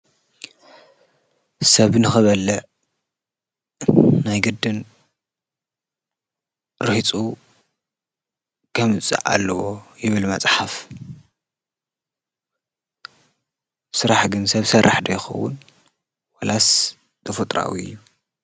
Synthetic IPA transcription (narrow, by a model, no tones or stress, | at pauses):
sɐβnɨxɨβɐlːɨʕ | najɡɨd̪ːɨn | ɾɨht͡sʼu | kʰɐmɨt͡sʼɨ̰ʕa̰lːɐwo̞jɪβɨlmɐt͡sʼħaf | sɨɾaħɡɨnsɐβsɐrʔaħd̪ɐjxɐ̰wːʊ̰n | wɐlas | t̪ʰɐfut̪ʼɾa̰wiɨ̰jːu